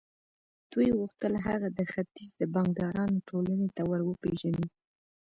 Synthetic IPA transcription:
d̪̥ujɣuxt̪əlɦaɣad̪əxat̪izd̪əbɑŋɡd̪ɑɾɑnoʈʰolanet̪awəɾwəpeʒani

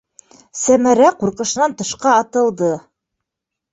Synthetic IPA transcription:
sæmæɾæquɾqɤ̆ʃɤ̆nɑnt̪ɤ̆ʃqɑːt̪ɤ̆lˠd̪ɤ

